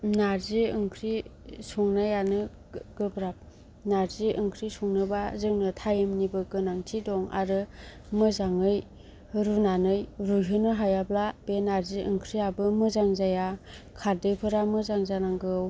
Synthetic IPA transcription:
naɾziɯŋkʰɾisɔŋnajanɯ | ɡɯbɾap̚ | naɾziʔɯŋkʰɾisɔŋnɯbazɯŋnɯtʰajɯmnibɯɡɯnaŋtʰidɔŋa̰ɾɯmɯzaŋɯj | ɾunanɯjɾujɦɯnɯɦajablab̥enaɾziʔɯŋkʰɾijabɯmɯzaŋzaja | kʰaɾdɯjpʰɯɾamɯzaŋzanaŋɡɯw

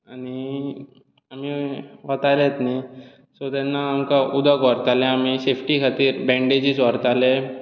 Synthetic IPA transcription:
añi | amiʋət̪alet̪ni | sot̪ɛnːaːmkaʔud̪ʱəkʋəɾt̪alẽamisefʈikʰat̪iːɾbɛ̃ɳɖed͡ʑiːsʋəɾt̪ale

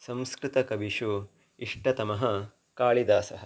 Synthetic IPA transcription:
sɐ̃mskɾit̪ɐkɐbiʂu | iʂʈɐt̪ɐmɐɦɐ | kaːɭid̪aːsɐɦɐ̆

